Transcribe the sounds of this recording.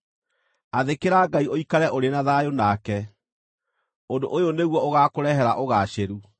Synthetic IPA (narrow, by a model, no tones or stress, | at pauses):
aðekeɾaːɡaioikaɾɛʔoɾenaðajonakɛ | ondoʔojoneɣwɔoɣakoɾɛɦɛɾaʔoɣaɕeɾu